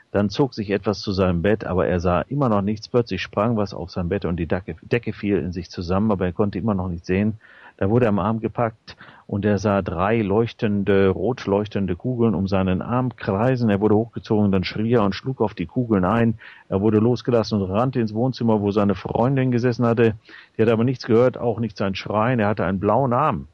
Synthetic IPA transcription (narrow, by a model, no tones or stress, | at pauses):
d̥ant͡soːkz̥ɪçʔɛtv̥ast͡suzaɪnəmbɛtʔa̰ːbɐ̰ʔḛːɐzaːʔɪmɐnɔχnɪçt͡spʰl̥œt͡slɪçʃpʁ̥aŋvasa̰ʊfz̥aɪnəmbɛtʊnt̚d̥iːd̥ɛkəfiːlɪ̰nzɪçt͡suzamənʔaːbɐeːɐkʰɔntəʔɪmɐnɔχnɪçtz̥eːənd̥aːvʊɐɾəːamʔaɐmɡəpʰak̚tʔʊnteːɐzaːdʁaɪlɔʏçtəndəʁoːtʰlɔʏçtəndəkʰuːɡl̩nʊ̰mzaɪnənʔa̰ɐmkʁ̥aɪzn̩eːɐvʊɐɾəhoːxɡ̥ət͡soːɡŋ̩danʃʁ̥iːeːɐʊntʃluːkaʊfd̥iːkʰuːɡl̩nʔaɪnʔeːɐvʊɐdəloːsɡ̥əlasn̩ʊntʁantəɪnsv̥oːnt͡sɪmɐvoːzaɪnəfʁ̥ɔ̰ʏndɪnɡəzɛsn̩hatəd̥iːhatəʔaːbɐnɪçt͡sɡ̥əhøːɐtʰa̰ʊxnɪçtz̥aɪnnʃʁ̥aɪneːɐhatəʔaɪnənblaʊənʔaɐm